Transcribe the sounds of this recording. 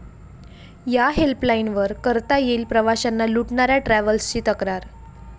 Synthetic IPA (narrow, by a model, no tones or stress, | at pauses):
jaɦelplainʋəɾkəɾt̪ajeːlpɾəʋaɕanːaluʈɳaɾjaʈɾæʋəlst͡ɕiːt̪əkɾaɾ